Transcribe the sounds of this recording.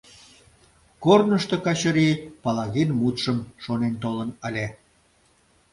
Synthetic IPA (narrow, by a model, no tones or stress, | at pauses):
kornəʃt̪okɑt͡ɕəɾipɑlɑɣinmut̪ʃəmʃonent̪olənəlʲe